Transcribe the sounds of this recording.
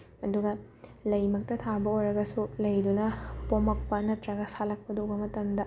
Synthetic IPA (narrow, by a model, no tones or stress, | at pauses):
ɐduɡɐ | lɐjmɐk̚tɐtʰabɐojɾɐɡɐsulɐjdunɐpomɐk̚pɐnɐtɾɐɡɐsalɐk̚pɐdobɐmɐtɐmdɐ